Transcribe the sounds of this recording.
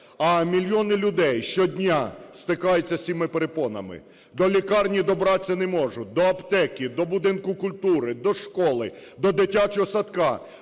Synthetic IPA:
ɐmʲilʲjɔnɪlʲʊd̪ɛjʃt͡ʃɔdʲnʲast̪ɪkɑjʊt͡sʲːɐsʲimɪpeɾepɔnɐ̰mɪ̰ | d̪ɔlʲikɑrnʲid̪ɔbɾɑt͡sʲːɐnɛmɔʒʊd̪ɔɐpt̪ɛkʲid̪ɔbʊd̪ɪnkʊkʊlʲt̪uɾɪd̪ɔʃkɔlˠɪd̪ɔd̪ɪtʲːat͡ʃɔɦɔsɐt̪kɑ

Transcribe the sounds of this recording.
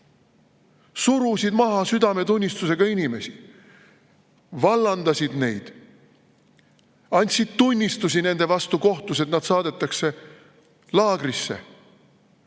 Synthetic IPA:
suɾusid̪mɑɦɑsyd̪̥ɑme̞t̪unʲːist̪use̞ɡ̥ɑinime̞si | vɑlːɑnd̪ɑsʲid̪̥ne̞̰jd̪̥ | ɑnʲt̪ʲsid̪̥t̪unʲːist̪us̬ʲine̞nd̪e̞vɑst̪uko̞ht̪use̞t̪nɑd̪̥sɑːd̪̥e̞t̪ːˑɑkse̞ | lɑːɡ̥risːe̞̰

